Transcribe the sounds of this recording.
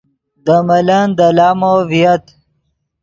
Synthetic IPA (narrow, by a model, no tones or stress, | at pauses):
d̪əmɐlɐnd̪əlaːmovijɐt̪